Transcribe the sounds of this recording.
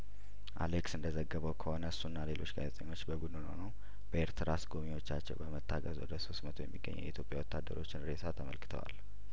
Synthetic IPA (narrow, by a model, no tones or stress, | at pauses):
ʔa̰leksɨnd̪əzəɡːəβəwkʰəho̞nəsːunːale̞lo̞t͡ʃːɡa̰zɛt̪ʼəɲːo̞t͡ʃːbəbud̪uno̰nəw | b̥əeɾt̪ʰɨɾasɡo̞miwo̞t͡ʃːat͡ʃːɛwbəmət̪ːaɡəzwɔd̪əso̞st̪mət̪ʰo̞jɛ̰mːiɡːə̰ɲːɛ̰wḭt̪ʰjo̞pʼjawɔt̪ʰːad̪ːəɾo̞t͡ʃːɪnɾesat̪ʰəməlkɨ̥t̪ʰə̰wa̰l